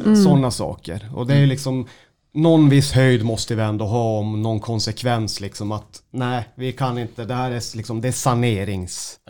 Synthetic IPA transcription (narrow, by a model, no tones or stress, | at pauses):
sɔnːasɑ̰ːkə̰ɾɔ̰d̪ɛæjɵlɪksɔm | nɔnvɪsːhœjd̪mɔst̪əvɪɛnd̪oːɦɑːɔmnɔnkʰɔnsɛkʰvɛnslɪksɔmat̪næɪvɪkʰanɪnt̪əd̪ɛhæːɾælɪksɔmd̪ɛæsaneːɾɪŋs